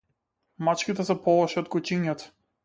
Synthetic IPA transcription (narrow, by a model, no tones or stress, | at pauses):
mat͡ʃkʲit̪ɛsɛpɔlˠɔʃɛɔt̪̚kut͡ʃiɲat̪ɔ̥